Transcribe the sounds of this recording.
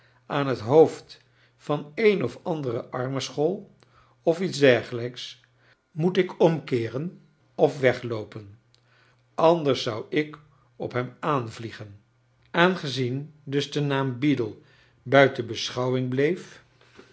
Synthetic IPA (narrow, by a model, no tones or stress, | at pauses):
ʔaːnɦətɦowft | fɑnejnɔfɑndərəʔɑɹməsχɔlˠ | ɔfitzdɛɹχələks | mutɪkɔmkɪːrən | ɔfʋɛχlowpən | ʔɑndəɹsːʌwɪk | ɔ̰pɦɛmaːnvliχən | aːnχəzindɵzdənaːmbidəlˠ | bœɥtənbəsχɑwɪŋblejf